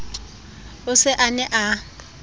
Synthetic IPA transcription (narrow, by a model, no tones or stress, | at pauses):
ʊsɪʔanɛʔa